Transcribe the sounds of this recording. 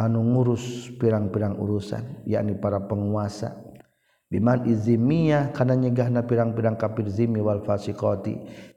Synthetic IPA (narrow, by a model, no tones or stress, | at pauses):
anuŋuɾʊspiɾaŋpiɾaŋṵɾusa̰nja̰ʔnipaɾapəŋuasa̰ | bimanʔizimijakanaɲəɡaɦnapiɾaŋpiɾaŋkapirzimiwalfasikɔt̪ḭ